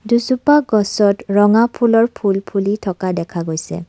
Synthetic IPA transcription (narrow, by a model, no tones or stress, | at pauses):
duzupaɡɔsɔtɹɔŋapʰulɔɹpʰulpʰulitʰɔkadɛkʰaɡojsɛ̰